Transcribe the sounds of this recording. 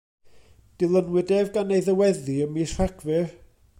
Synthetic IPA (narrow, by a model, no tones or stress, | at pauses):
d̥ɪlˠənwɪdɛvɡanejðəwɛðiəmisaɡvɪr